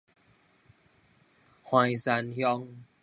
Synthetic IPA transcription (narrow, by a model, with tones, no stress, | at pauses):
ha˧˩jsa˧nhjɔ˧˦ŋ